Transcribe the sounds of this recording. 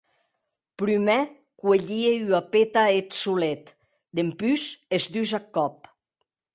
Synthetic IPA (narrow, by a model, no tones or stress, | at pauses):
pɾymɛ | kweʎieyapet̪aet̪sulet̪ | d̪empyzezd̪yzakːɔp̚